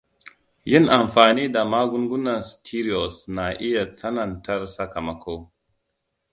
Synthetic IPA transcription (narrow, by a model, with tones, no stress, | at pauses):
ji˦na˨mfa˨ni˦da˨ma˦ɡu˦nɡu˦na˨nstʰi˦ɾi˨o˨sna˨ʔi˦ja˨t͡sa˦na˨nta˦ɾsa˦ka˨ma˨˦kʰo˦w